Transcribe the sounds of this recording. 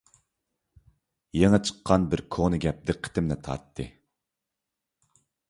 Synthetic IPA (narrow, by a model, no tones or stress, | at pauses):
jeŋɨt͡ʃʰə̥qʰːɑnbɪɾkʰonɨɡʲɛp̚d̪ɪqʰːe̥t̪ɪmnɛt̪ʰɑ̰ɾt̪ʰːɨ